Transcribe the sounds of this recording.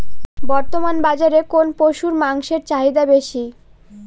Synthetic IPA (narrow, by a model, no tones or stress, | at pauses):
bɔɾt̪omanbad͡ʑaɾekonpoʃuɾmaŋʃeɾt͡ɕaɦid̪abeʃi